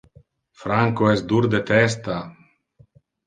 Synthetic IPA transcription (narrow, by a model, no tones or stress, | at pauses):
fɾaŋkoɛsd̪uɾd̪et̪ɛst̪a